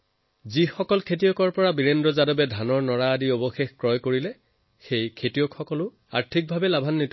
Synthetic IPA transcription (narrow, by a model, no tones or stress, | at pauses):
zixɔkɔlkʰetijɔkɔɹpɔɹabiɹendɹɔzadɔbɛdʱanɔɹnɔɹaːdiobɔxexkɹɔjkoɹilɛ | xejkʰetijɔkxɔkɔlʊ | a̰ɹtʰik̚bʱabɛlabʱanːit